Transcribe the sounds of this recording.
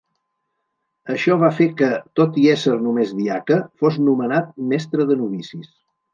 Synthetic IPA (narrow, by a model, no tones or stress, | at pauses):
əʃɔβ̞afekət̪ot̪iɛsəɾnumezðiakəfoznumənat̪̚mɛst̪ɾəðənuβisis